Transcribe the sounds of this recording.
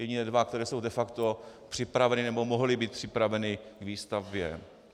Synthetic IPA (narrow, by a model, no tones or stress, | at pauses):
jɛɟɪnɛdvakt̪ɛɾɛːso̞wdɛfakt̪opr̝̥ɪpɾavɛnɪnɛbomoɦlɪbiːt̪̚pr̥ɪpɾavɛnɪɡviːst̪avbjɛ̰